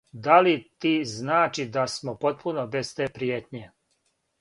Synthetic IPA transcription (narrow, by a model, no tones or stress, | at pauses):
d̪alit̪iːznaːt͡ʃid̪asmopo̞t̪̚punobest̪eːpɾijeːt̪ɲe